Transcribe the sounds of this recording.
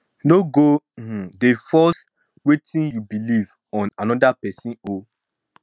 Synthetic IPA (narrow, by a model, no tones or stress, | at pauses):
noɡo | h̩defɔs | wetʰĩnjubiliv | ɔ̃nanɔdapɛsĩno